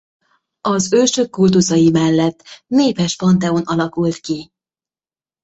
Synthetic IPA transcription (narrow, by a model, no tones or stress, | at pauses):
ɒzøːʃøkːult̪uzɒjimɛlːɛt̪ːneːpɛʃpɒnt̪ɛo̞nɒlɒkult̪ki